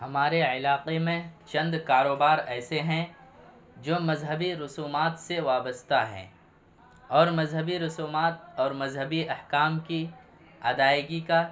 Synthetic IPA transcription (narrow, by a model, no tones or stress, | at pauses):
hɐmaːɾeɪlaːqemẽt͡ʃɐ̃nd̪kaːɾoːbaːɾɛːseɦɛ̃ | d͡ʒoːmɐzɦəbiɾʊsuːmaːt̪seʋaːbəst̪aɦɛ̰̃ː | ɔːɾmɐzɦəbiɾʊsuːmaːt̪̚ɔːɾmɐzɦəbiʔɐhkaːmki | ɐd̪aːɪɡika